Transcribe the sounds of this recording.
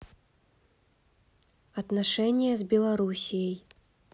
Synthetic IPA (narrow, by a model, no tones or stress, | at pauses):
ɐt̪naʂɛnʲɪjɐzʲbʲɛlˠɐɾusʲijəj